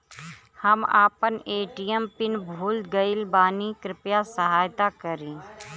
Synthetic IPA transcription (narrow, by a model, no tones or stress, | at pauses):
həma̰ːpəneːʈiːəmpɪnbʱuːlɡəɪlbaːnikɾɪpjasəɦaːjt̪akəɾẽː